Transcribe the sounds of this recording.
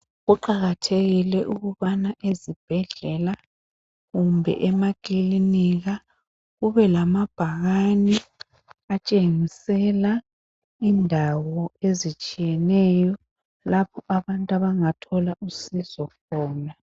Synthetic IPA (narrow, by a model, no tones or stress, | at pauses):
ɣuǃaɣatʰeɣilɛʔuɣuβanaʔezib̥ʱɛɮɛla | ɣumbʱɛ̰ʔɛmaɡ̥ʼʱiliniɣa | ɣuβɛlamab̥ʱaɣani | at͡ʃʼeŋisɛla | indʱawɔezit͡ʃʼijɛnɛjɔ | lapʰɔʔaβantʼaβaŋatʰɔlaʔusizɔkʰɔːna